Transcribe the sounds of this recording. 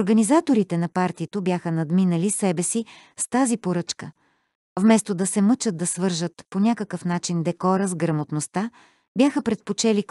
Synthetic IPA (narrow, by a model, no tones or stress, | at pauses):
oɾɡɐnizat̪oɾit̪ɛnɐpaɾt̪iət̪obʲjaxənɐd̪minəlisɛbɛsi | st̪azipoɾɤt͡ʃkə | vmɛst̪od̪ɐsɛmɤt͡ʃəd̪̚d̪ɐsvɤɾʒət̪ponʲakəkəfnat͡ʃind̪ɛkɔɾəzɡɾɐmot̪nost̪a | bʲjaxəpɾɛt̪̚pot͡ʃɛli